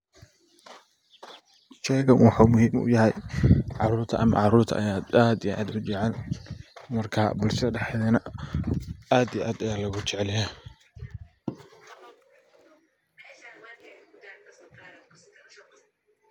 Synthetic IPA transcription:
t͡ʃɛɣɐnwɑħuːmʊhiːmʔʊ̰jɐɦɛjʕɑɾuːrt̪ʰɐ̰ʔɐmɐ̰ʕɑɾuːrt̪ʰɐ̰ʔɐjaːd̪aːd̪iʔa̰ːd̪ʊt͡ʃɛʕɛl | mɐrkʰaːbʊlʃɐɖɛħɛðɛnɐ | aːd̪ijʔaːd̪ɐjaːlɐɣʊt͡ʃɛʕɛlja

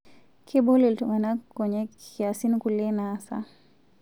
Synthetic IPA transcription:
kʰiɓɔliltuŋɡanakɔɲɛkiasinkulɛnasa̰

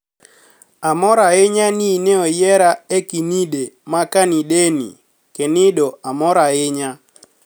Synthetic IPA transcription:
amɔɾaɪɲanineɔjɛɾaekinidemakanidenḭ | kenɪdɔamɔɾaɪɲa

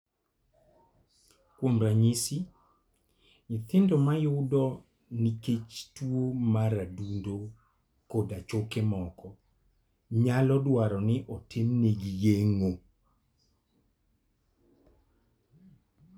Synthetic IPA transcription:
kwomɾaɲisi | ŋɪt̪ɪndomajʊdɔ | niket͡ʃtwomaɾadundo | kodat͡ʃokemɔkɔ | ɲalɔdwaɾɔnɪʔɔtʰenːeɡijeŋo

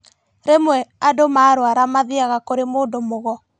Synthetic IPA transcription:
ɾemwɛadomaːɾwaɾamaðiaɣakoɾemoːndomoɣɔ

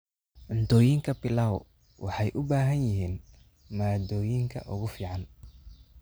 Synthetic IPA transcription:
ʕʊnt̪ʰɔːjɪŋkʰɐbɪlaːw | wʔɑ̰ħɑjʔʊbaːɦɐnjɪɦiːn | maːd̪ɔːjɪŋkʰɐ̰ʔʊ̰ɣʊfiːʕɑn

